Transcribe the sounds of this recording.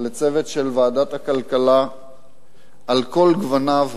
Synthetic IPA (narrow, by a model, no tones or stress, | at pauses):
let͡se̞vet̪ʃelvaːd̪at̪hakalkala | alko̞lɡvanav